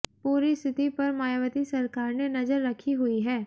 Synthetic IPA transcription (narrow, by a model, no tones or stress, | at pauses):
puːɾist̪ʰɪt̪ipɐɾmaːjʋət̪isɐɾkaːɾnenɐzəɾːɐkʰiɦʊiɦɛː